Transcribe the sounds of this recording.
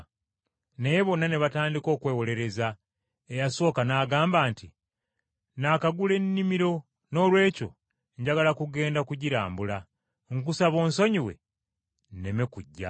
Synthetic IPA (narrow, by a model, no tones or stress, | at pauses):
nejeβo̞nane̞βataːndiko̞ːkwe̞ːwo̞le̞ɾe̞za | ejaso̞ːkanaːɡaːmbaːnti | naːkaɡule̞nːimiɾo̞ | no̞ːlwe̞ːco̞̰ | ɲɟaɡalakuɡe̞ːndakuɟiɾa̰ːmbula | ŋkusaβo̞ːnso̞ɲiwe̞̰ | nnemekuɟːa̰